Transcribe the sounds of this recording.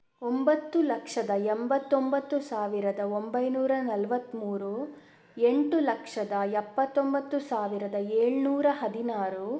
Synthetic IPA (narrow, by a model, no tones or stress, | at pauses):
ombɐt̪ːulɐkʂɐd̪ɐembɐt̪ːombɐt̪ːusaːʋiɾɐd̪ɐombɐjnuːɾɐnɐlʋɐt̪ːmuːɾu | eɳʈulɐkʂɐd̪ɐɛpːɐt̪ːombɐt̪ːusaːʋiɾɐd̪ɐeːɭnuːɾɐɦɐd̪inaːɾu